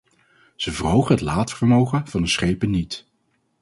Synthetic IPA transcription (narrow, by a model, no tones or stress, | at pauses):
z̥əvərɦowχəɦətlaːtfəɹmowχənv̥ɑndəsχejpənːit